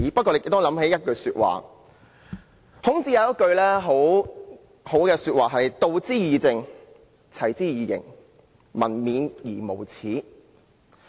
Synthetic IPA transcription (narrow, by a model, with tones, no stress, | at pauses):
pɐ˥kɔː˧le˨˧jkːt̪ʊ˥lɐ˨˥mhe˨˥jɐ˥t̚kɵ˧ɥsyː˧t̚wa̰ː˨ | hʊ˨˥ŋt͡siː˧˥jɐ˨˧˦jɐ˥t̚kɵ˧ɥlɛː˥ɦo˨˥w | ho˨˥wkɛː˧syː˧t̚waː˨˩ɦɐ˨jt̪o˧wt͡siː˥jiː˨˧t͡sɪ˧ŋ | t͡sʰɐ˨˩jt͡siː˥jiː˨˩jɪ̰˨˩ŋ | mɐ̰˨˩nmiː˨˥njiː˨˩mo˨˩wt͡sʰiː˨˥